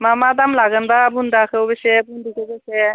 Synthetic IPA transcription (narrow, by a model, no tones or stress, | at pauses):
mamad̪amlaɡənbabund̪akʰewbesɛbund̪ikebesɛ